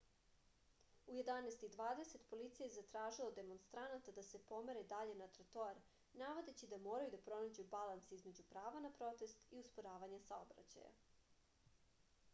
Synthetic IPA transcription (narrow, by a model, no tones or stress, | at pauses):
uje̞d̪anejst̪id̪ʋaːd̪e̞se̞t̪po̞lit̪sijezat̪ɾaːʒilˠod̪e̞mo̞nst̪ɾanat̪ad̪ase̞po̞meɾed̪aʎe̞nat̪ɾat̪oaɾ | naʋo̞d̪e̞t͡ɕid̪amoːɾajud̪apɾo̞nad͡ʑubalˠansizme̞d͡ʑupɾaːʋanapɾo̞t̪e̞st̪iuspoɾaːʋaɲasaobɾa̰t͡ɕa̰ja̰